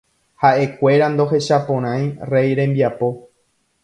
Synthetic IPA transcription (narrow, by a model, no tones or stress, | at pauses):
haʔe̞kʷe̞ɾand̪o̞ɦe̞ʃapõɾ̃ãj̃re̞jɾẽ̞mbiapo̞